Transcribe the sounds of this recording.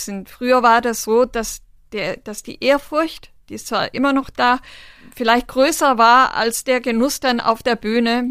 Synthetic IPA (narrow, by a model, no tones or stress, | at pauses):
snfʁ̥yːɐvaːɐdasz̥oːd̥as | d̥eːɐd̥asd̥ḭːʔeːɐfʊɐçtd̥iːɪst͡sv̥a̰ːɐʔɪmɐnɔχd̥aːfɪlaɪçt̚ɡ̥ʁøːsɐvaːɐʔa̰lsd̥eːɐɡənʊsd̥anʔa̰ʊfd̥eːɐbyːnə